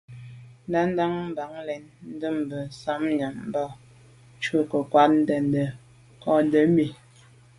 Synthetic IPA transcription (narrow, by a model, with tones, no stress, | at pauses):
n˦da˦n˦da˦ŋm̩˦ba˨˦ŋlɛ˨nn̩˦də˦m˨bə˨n˨sa˨˦mɲa˨mm̩˦ba˦ | t͡ʃə˦kə˨kwa˦t̚n̩˦də˨ndə˨ | kɔ˦n˦də˨˦mi˨